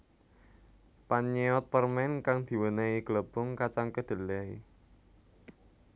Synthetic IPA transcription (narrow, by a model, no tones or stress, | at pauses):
paɲeɔt̪̚pərmɛnkaŋd̪̥i̤wəneiɡ̥ləb̥ɔŋkat͡ʃaŋkəd̪̥ə̤lɛi